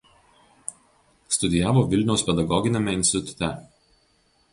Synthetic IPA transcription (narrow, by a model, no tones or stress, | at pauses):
st̪ʊd̪ʲɪjæːʋoːʋʲɪlʲnʲɛʊspʲɛd̪ɐɡɔɡʲɪnʲemʲɛɪnʲsʲt̪ʲɪt̪ʊ̥t̪ʲɛ